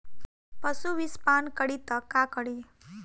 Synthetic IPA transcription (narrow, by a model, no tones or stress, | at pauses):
pəsuʋispankəɽit̪əkakəɽi